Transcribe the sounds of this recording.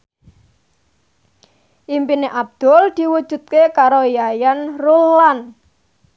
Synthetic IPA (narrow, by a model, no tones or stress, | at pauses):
ʔimpineʔab̚d̪̥ɔ̤ld̪̥i̤wud̥ʒ̥ṳt̪̚kekaɾojajanrulːan